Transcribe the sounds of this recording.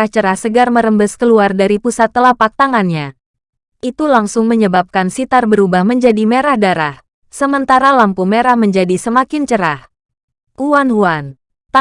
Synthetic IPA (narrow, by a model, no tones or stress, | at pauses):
aht͡ʃəɾahsəɡarməɾəmbəskəluardaɾipusat̪ːəlapak̚t̪aŋanɲa | ʔit̪ulaŋsʊŋməɲəbap̚kansit̪arbəɾubahməɲd͡ʒadimeɾahdaɾah | səmənt̪aɾalampumeɾahməɲd͡ʒadisəmakɪnt͡ʃəɾah | huanhuan | t̪a